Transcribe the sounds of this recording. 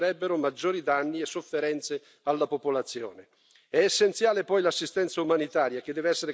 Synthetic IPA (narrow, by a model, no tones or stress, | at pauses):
ɾɛbːeɾʊmad͡ʒːoːɾid̪anːiesːofːeɾɛnt̪se | alːapopolat̪sːjɔ̰ːne | ɛːsːent̪sjaːlepɔjlasːist̪ɛnt̪saumanit̪aːɾjak̟ɪd̪ɛːveɛsːeɾe